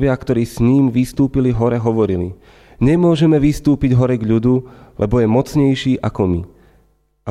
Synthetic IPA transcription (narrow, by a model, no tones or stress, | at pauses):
ʋɪakt̪ɔɾiːsɲiːmʋist̪uːpiliɦɔɾɛɦɔʋɔɾili | ɲɛmʊɔʒɛmɛʋist̪uːpiɟɦɔɾɛɡʎud̪ulʔɛbɔjɛmɔt͡sɲɛjʃiːʔakɔmi | ʔa